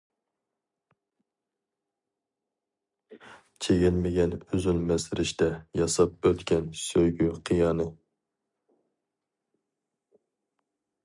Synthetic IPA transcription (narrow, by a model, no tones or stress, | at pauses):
t͡ʃʰeɡʲɪnmɪɡʲɛnyzylmɛsɾɪʃt̪ɛjɑsɑp̚øt̪kʲɛnsøjɡʲyqʰijɑnɨ